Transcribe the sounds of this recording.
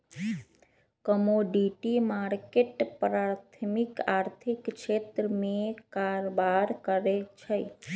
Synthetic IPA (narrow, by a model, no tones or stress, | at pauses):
kəmoɖiʈimaɾkeʈpɾat̪ʰmikaɾt̪ʰikkʃet̪ɾəmẽkaɾobaɾkəɾet͡ʃʰe